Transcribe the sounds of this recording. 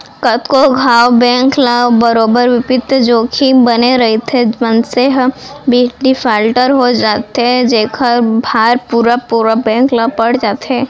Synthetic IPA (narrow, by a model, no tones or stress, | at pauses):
kət̪koɡʱaːwbɛ̃ːŋklabəɾoːbəɾʋɪpɪt̪d͡ʒoːkʰibɐneɾɐɦet̪ʰemənseɦbiːɖifaːlʈəɾɦod͡ʒaːt̪ed͡ʒeːkʰəɾbʱaːɾpuːɾapuɾabɛ̃ːŋklapɐɽd͡ʒaːt̪eː